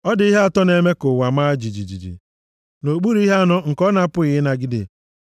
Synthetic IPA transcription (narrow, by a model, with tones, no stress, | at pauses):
ɔ˦dɪ˨i˦ɦe˦a˨tɔ˦ne˨me˦kʊ˨wa˨maː˦d͡ʒi˨d͡ʒi˨d͡ʒḭ˨d͡ʒḭ˨ | no˨k͡pu˦ɾi˦ɦe˦a˦nʊ˦ŋ̩˨kɔ˦na˨a˦pʊ˦ɪ˨ɪ˦na˨ɡɪ˦dɪ̰˨